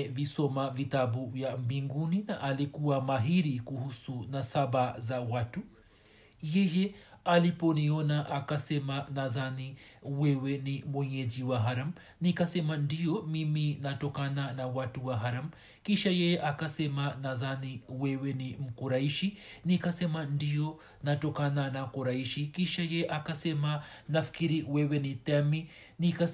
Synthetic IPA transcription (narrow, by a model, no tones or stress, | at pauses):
visɔmavitabuvjam̩biŋɡuninaʔalikuamaɦiɾikuhusunasabazawatu | jɛjɛalipɔniɔnaʔakasɛmanaðaniwɛwɛnimwɛɲɛd͡ʒiwaɦaɾam̩ | nikasɛmandiɔmiminatɔkananawatuwaɦaɾam | kiʃajɛjɛʔakasɛmanaðaniwɛwɛnim̩kuɾaiʃinikasɛmandijɔ | natɔkananakuɾaiʃikiʃajɛɛʔakasɛmanafi̥kiɾiwɛwɛnitɛmi | nika